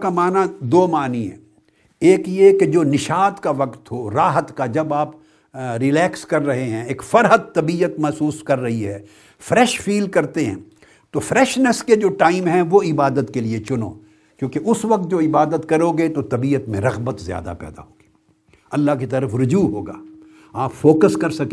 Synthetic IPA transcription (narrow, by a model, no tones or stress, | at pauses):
kamaːnad̪oːmaːniɦɛ̰̃ | eːkjeked͡ʒoːnɪʃaːt̪kaʋɐqt̪ɦoɾaːɦət̪kad͡ʒɐbaːp | ɾɪlɛːkskɐɾːɐɦeɦɛ̃eːkfɐɾɦət̪ːɐbiːjət̪mɛɦsuːskɐɾːɐɦiɦɛː | fɾɛːʃfiːlkɐɾt̪eɦɛ̰̃ː | t̪ofɾɛːʃnəsked͡ʒoːʈaːɪmɦɛ̃ʋoɪbaːd̪ət̪keliet͡ʃʊno̰ː | kjõːkeʔʊsʋɐq̚t̪̚d͡ʒoːɪbaːd̪ət̪kɐɾoːɡet̪ot̪ɐbiːət̪mẽɾɐɣbət̪zja̰ːd̪a̰pɛ̰ːd̪a̰ɦoːɡi̥ː | ɐlːaːk̬it̪ɐɾəfɾʊd͡ʒuːɦoːɡa̰ː | aːpfoːkəskɐɾsɐke